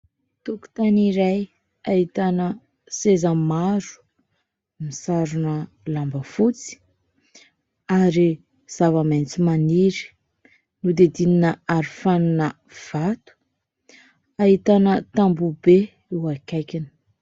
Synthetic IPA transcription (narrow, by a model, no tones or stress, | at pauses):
t̪uku̥t̪aniɾaj | aɦit̪anə | sezəmaɾu̥ | misaɾunə | lambəfut͡si̥ | aɾi | z̥avamejnt͡simaniɾi̥ | nud̪ed̪ininəaɾifaninə | v̥at̪u̥ | aɦit̪anət̪ambube | ewakajkini̥